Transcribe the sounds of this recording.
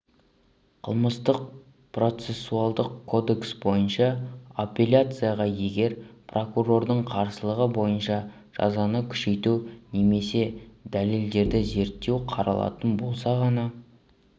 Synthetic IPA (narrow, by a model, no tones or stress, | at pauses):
qʰə̰lˠməst̪əq̚ | pro̞t̪se̞sːualˠd̪əqkʰo̞d̪e̞ksbo̞jənʃɑopʲe̞lʲat̪sɨjaʁɑje̞ɡʲe̞ɾpro̞kuro̞rd̪əɴqʰɑɾsəlˠəʁəbo̞jənʃɑ | ʒ̥ɑ̰zɑnəkʲʰʏ̥ʃe̞jt̪une̞me̞se̞d̪æleld̪e̞ɾd̪ɪze̞ɾt̪ːe̞wqʰɑɾɑ̰lˠɑ̰t̪ənbo̞lˠsɑʁɑnɑ